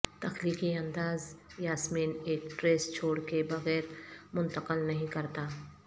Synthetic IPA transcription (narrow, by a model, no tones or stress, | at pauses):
t̪ɐxliːkiɐ̃nd̪aːzjaːsmiːneːkʈɾeːst͡ʃʰoːɽkebɐɣɛːɾmʊ̃nt̪əqəlnɐɦĩkɐɾt̪aː